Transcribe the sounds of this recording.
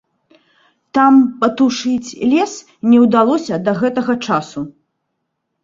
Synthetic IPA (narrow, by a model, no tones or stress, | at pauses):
t̪ampɐt̪uʂɨt͡sʲlʲɛs | nʲɛwd̪alˠɔsʲɐd̪ɐɣɛt̪ɐɣɐt͡ʂasu